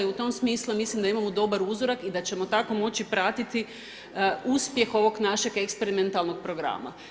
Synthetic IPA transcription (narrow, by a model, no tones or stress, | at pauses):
ut̪o̞msmiːslumislimd̪aimamod̪o̞baɾuzo̞ɾakid̪at͡ɕe̞mo̞t̪ako̞mo̞t͡ɕipɾat̪it̪i | uspje̞xo̞ʋo̞ɡnaʃe̞ɡekspe̞ɾiment̪alˠno̞ɡ̚pɾo̞ɡɾa̰ma̰